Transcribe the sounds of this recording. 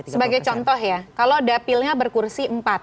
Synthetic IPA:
səbaɡajt͡ʃɔnt̪ɔɦjakalodapilɲabərkursiəmpat̪̚

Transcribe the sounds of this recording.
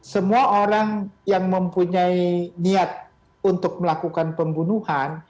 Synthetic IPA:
səmuaʔoɾaŋjaŋməmpuɲainiat̪̚ | unt̪ʊk̚məlakukanpəmbunuhan

